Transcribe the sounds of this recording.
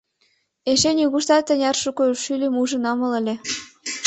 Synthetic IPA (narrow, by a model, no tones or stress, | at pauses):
eʃenʲjuɣuʃt̪ɑt̪ːə̆nʲɑrʃukoʃylʲemuʒə̆nɑmə̆lə̆lʲe